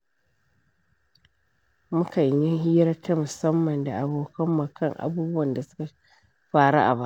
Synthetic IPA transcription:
mʊ˦kɐ˨ɲjɪ˦ŋɦiː˦ɾɐ˦tʰːa˦mʊ˨sɐ˦mːɐ˨nda˨ʔa˨boː˦kʰɐ˦mːa˨kɐ˦ŋʔa̰˨buː˦bʊ˦wɐ˨nda˨sʊ̥˦ka˨ | ɸaː˦˨ɽa̰˦ʔa̰˨ba˦ʔ

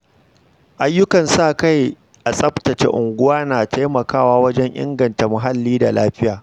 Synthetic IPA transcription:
ʔa˦jːʊ˦kɐ˨nsaː˦˨ka˦˨j | ʔa˨sʼɐ˦ɸtɐ˨t͡ʃḛ˦ʔʊ˨ŋɡʷʊ˦waː˦naː˨tʰa˦jmɐ˨kaː˦˨waː˦wɐ˦d͡ʒɛ˦ɲʔɪ̰˦ŋɡɐ˨nta˨mʊ˨ɦa˦lːiː˦da˨laː˦ɸɪ˦jaː˨

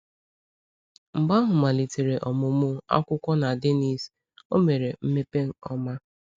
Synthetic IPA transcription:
m̩˨ɡ͡ba˦ɦʊ˨ma˨li˨te˨ɾe˨ʔɔ˨mʊ˨mʊ˦˨a̰˦kʷʊ˦kʷɔ˦na˨de˦ni˨s | o˦me˨ɾe˨m̩˦me˦pe˦ŋ̩˨ɔ˦ma˦

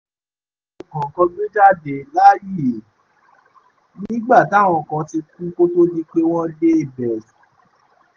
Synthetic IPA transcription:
ɔ˨kɔ̃˨kɔ̃˧ɡ͡be˦d͡ʒa˦˨de˨la˦ji˦˨ | nĩː˦ɡ͡ba˦˨ta˦˨w̃ɔ̃˧˨kã˧ti˧kũ˦ko˦to˦di˦˧k͡pe˧w̃ɔ̃˦de˦i˦˨bɛ˨s

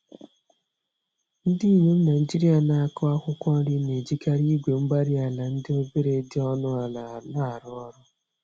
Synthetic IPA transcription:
n̩˦di˦i˦˨ɲe˦m̩˦na˨i˨d͡ʒi˦ɾi˦a˨na˨a˦˨kɔ˦a˦kʷʊ˦kʷɔ˦ɾi˦ne˨d͡ʒi˦ka˦ɾi˦ɡʷe˨ŋ͡m̩˦ɡ͡ba˦ɾi˦a˨la˨n̩˦dɪ˦o˦be˦ɾe˨˦dɪ˦ɔ˦nʊ˦a˨la˨la˨ɾʊ˦ɔ˦ɾʊ˦

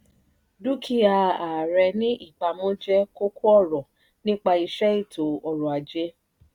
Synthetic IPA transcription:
du˦kʰi˧˦a˧a˨ɾɛ˧nĩ˦ʔi˦˨k͡pa˧mɔ̃˦d͡ʒɛ˦ko˦kʰu˦ɔ˦˨ɾɔ˨ | nĩ˦k͡pa˧i˧ʃɛ˦i˦˨to˨ɔ˨ɾɔ̃˨a˨d͡ʒe˦

